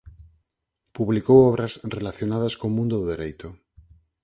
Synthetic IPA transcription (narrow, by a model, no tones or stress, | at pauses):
puβlikowɔβɾɐsrelaθjonað̞askomũnd̪oðoðeɾejt̪ʊ